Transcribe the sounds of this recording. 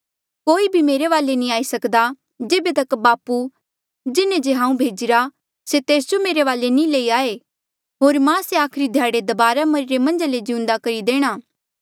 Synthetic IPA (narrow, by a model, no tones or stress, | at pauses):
koːibʱimeːɾeʋaːlenĩaːisɐkd̪a | d͡ʒeːbet̪ɐkbaːpu | d͡ʒɪnẽd͡ʒeɦãːũbʱeːd͡ʒɪɾa | set̪eːsd͡ʒomeːɾeʋaːlenĩleːiaːe | ɦoːɾmãseaːkʰɾid̪ʱjaːɽed̪ɐbaːɾamɐɾɪɾemɐ̃nd͡ʒaled͡ʒɪʊ̃nd̪akɐɾid̪eːɽ̃aː